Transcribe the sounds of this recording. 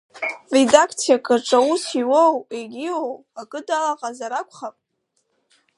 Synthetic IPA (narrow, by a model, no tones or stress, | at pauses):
redakʰt͡sʰijakʼaʈ͡ʂʷʼausʰiwoweɡʲiwow | akʼɨdalaqʼazaɾakʷʰʼχapʼ